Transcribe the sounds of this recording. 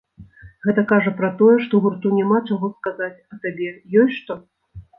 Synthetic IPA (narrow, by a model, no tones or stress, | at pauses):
ɣɛt̪ɐkaʐɐpɾɐt̪ɔjɛʂt̪ɔɣurt̪unʲamat͡ʂaɣɔskazat͡sʲɐsabʲɛjɔsʲʂt̪ɔ